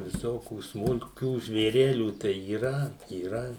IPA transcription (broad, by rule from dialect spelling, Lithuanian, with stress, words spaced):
ʋʲɪˈsoːkʲuː smʊlʲˈkʲuː ʒʲʋʲeːˈrʲæːlʲuː tɐɪ iːˈrɐ iːˈrɐ